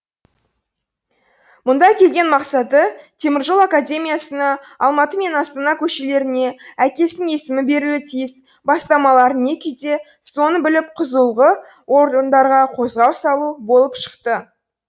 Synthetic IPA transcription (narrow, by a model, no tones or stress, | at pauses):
mʊnd̪ɑkʲʰe̞lɡʲe̞nmɑqsɑt̪ət̪ʰe̞mɪɾʒo̞lˠakadʲe̞mʲijasənɑ | ɑlˠmɑt̪əme̞nɑst̪ɑnɑkʲʰɵʃe̞le̞ɾɪne̞ækʲe̞sɪne̞sɪmɪbe̞ɾuwɪt̪ʰijɪs | bɑst̪ɑmɑlˠɑɾəne̞kʲet̪e̞ | so̞nəbɪlɪp̚qʰəzəlˠʁə | wo̞ɾd̪ənd̪ɑɾʁɑqʰo̞zʁɑwsɑlˠubo̞lˠəpʃə̥qt̪ə